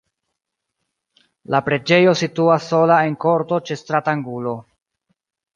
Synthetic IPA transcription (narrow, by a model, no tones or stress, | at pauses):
lapɾe̞d͡ʒe̞jo̞situasːo̞lae̞ŋko̞ɾto̞t͡ʃe̞stɾataŋɡulo̞